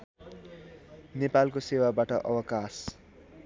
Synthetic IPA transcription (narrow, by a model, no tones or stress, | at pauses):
nepalkosewabaʈʌʔʌ̰wʌkas